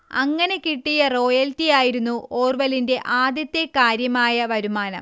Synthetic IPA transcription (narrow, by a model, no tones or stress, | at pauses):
ɐ̰ŋːɐne̞kiʈːijɐro̞ːjɐltijaːjiɾunːuoːrʋɐlinde̞ʔaːd̪jɐt̪ːe̞kaːɾjɐmaːjɐʋɐɾumaːnɐm